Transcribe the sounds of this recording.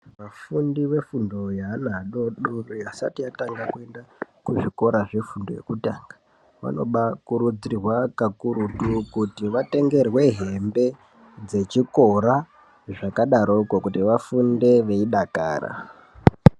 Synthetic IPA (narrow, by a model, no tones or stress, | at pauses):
ʋafundiʋe̞fundo̞janaɗoɗorojasa̰tijataŋɡakue̞ndakuʐiko̞ɾaʐe̞fundo̞je̞̰kutaŋɡḁ | ʋa̰no̞̰ɓakuɾud͡ziirwakakuɾutukutiʋate̞ŋɡe̞rwe̞ɦe̞mbe̞ | d͡ze̞t͡ʃiko̞ɾa | ʐakaɗaɾoukokutiʋafunde̞ʋe̞iɗaka̰ːra̰